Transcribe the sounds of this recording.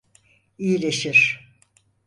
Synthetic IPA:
ijilʲeʃiɾ̥

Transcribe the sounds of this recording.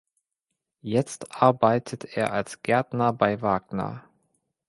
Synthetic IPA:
jɛt͡stʔaɐbaɪtʰətʰeːɐʔalsɡ̥ɛɐtnɐbaɪvaːɡnɐ̰

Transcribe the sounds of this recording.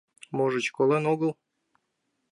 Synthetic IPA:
moʒə̆t͡ɕkolenoɣəlˠ

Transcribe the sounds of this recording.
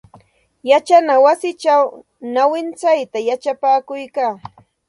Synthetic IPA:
jat͡ʃanawasɪt͡ʃaw | nawɪnt͡sajt̪ajat͡ʃapaːkʊjkaː

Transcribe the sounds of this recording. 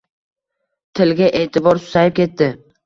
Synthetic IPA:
t̪ʰɪlɡʲaʔe̞ːt̪ʰɪbɒɾsʊ̥sajɪp̚kʲʰe̞t̪ːɪ

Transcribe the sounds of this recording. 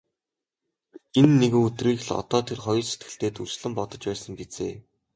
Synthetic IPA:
enːeɣɘ̆ŋɵt̪riːxɮɔ̰t̪ɔːt̪ʰerχɔjɞ̆set̪̚ɡɘ̆ɬt̪eːt̪uɮt͡ɕɮɘ̆mpɔt̪ɞ̆t͡ɕpæːsə̆mpet͡seː

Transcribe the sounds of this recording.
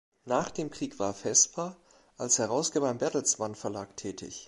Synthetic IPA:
naːχd̥eːmkʁ̥iːkv̥aːɐfɛstb̥aːɐ | ʔalshɛʁ̞aʊsɡ̥eːbɐɪmbɛtl̩smanfɛɐlaːktʰɛːtʰɪ̰ç

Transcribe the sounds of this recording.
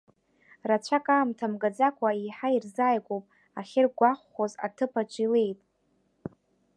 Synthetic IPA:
rat͡ɕʷʰakʼaːmtʰamɡad͡zakʷʰʼaiħairzaːjkʷʼowpʼ | aχʲɪrɡʷaχʷoza̰tʰɨpʰat͡ʃʷʼilejtʼ

